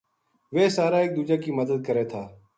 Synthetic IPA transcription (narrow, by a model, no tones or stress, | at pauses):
ʋeːsaːɾaːeːk̚d̪uːd͡ʒaːkiːməd̪əd̪̚kəɾeːt̪ʰaː